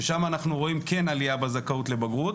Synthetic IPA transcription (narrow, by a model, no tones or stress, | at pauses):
eʃamaːnaχnuʁo̞imke̞naliabazakaut̪le̞baɡʁut̪